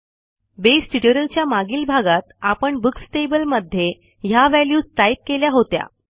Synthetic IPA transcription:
besʈiʈəɾəlt͡ɕjamaɡiːlbʱaɡat̪apəɳbuksʈebəlməd̪ʱːje | jaʋæljuːd͡zʈ̪ajp̚keljaɦot̪ja̰

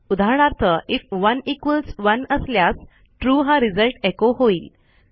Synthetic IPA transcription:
ud̪ʱaɾɳ̃aɾt̪ʰəʔifʋənikʋəlsʋənəsljas | ʈɾuːɦãɾid͡zəlʈekoɦoiːl

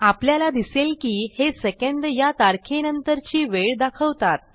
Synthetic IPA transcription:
apljalad̪iselkiːhesekẽɳd̪jat̪aɾkʰenənt̪əɾt͡ɕiːʋeɭd̪akʰəʋt̪at̪̚

